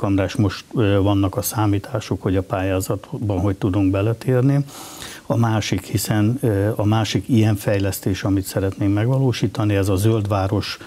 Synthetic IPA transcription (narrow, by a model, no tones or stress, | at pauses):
kɒmraːʃmo̞ʃt̪vɒnːɒkɒsaːmiːt̪ʰaːʃokho̞ɟɒpaːjaːzɒt̪bɒnɦo̞ct̪ud̪uŋɡbɛlɛt̪eːrni | ɒmaːʃikhisɛnɒmaːʃikijɛɱfɛjlɛst̪eːʃɒmit̪sɛɾɛt̪neːkmɛɡʋɒloːʃiːt̪ɒniɛzɒzøld̪ʋaːɾo̞ʃ